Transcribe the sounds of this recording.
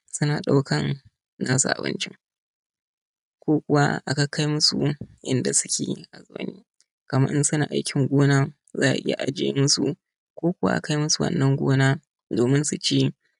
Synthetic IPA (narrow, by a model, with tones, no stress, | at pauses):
sʊ˦naː˨ɗa˦wkʰɐ˦n | naː˦sṵ˨ʔa̰˨bɪ̰˦nt͡ʃɪ̰˦ŋ | kʷoː˦kʷʊ˨wa˦ʔa̰˨ka˦˨kʰa˦jmʊ˦sṵ˨ʔɪ̰˦nda˨sʊ˦kʲḛː˨ʔa˨zoː˦˨nḭː˦ | kɐ˨mɐ˦ʔɪ˦nsʊ˦na̰ː˨ʔa̰˦jkʲʰɪ˦ŋɡʷoː˦naː˦ | za̰ː˦˨ʔa̰˨ʔɪ̰˦ja̰˨ʔa˨d͡ʒḛː˦mʊ˦su˨ | kʷoː˦kʷʊ˦wa̰˦ʔa̰˨ka˦jmʊ˦su˨wɐ̰˨nːɐ˦ŋɡʷoː˦naː˦ | doː˨mɪ˦nsu˨t͡ʃeː˦